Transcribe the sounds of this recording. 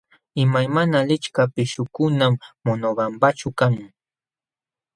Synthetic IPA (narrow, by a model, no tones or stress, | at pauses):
ɪmajmanalɪt͡ʃkapɪʃʊkʊnamːonoɢampat͡ʃʊkaŋ